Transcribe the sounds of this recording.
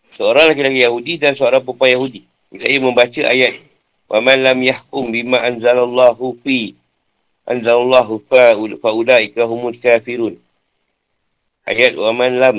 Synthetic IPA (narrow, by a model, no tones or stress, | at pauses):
səoɾaŋlakilakijaɦudidansəoɾaŋpupajaɦudi | ikajaməmbat͡ʃəʔa̰jat̪̚ | wʔamanlamjahkʊmbimaʔanzalalˤːɑːɦufi | ʔa̰nzalalːɑɦufaʔulaːʔikaɦumulkaːfiɾuːn | ʔa̰jat̪̚wamanlam